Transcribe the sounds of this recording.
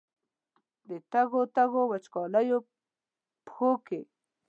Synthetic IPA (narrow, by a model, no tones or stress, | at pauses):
d̪et̪aɣot̪aɣowat͡ʃkɑlajo | pxoke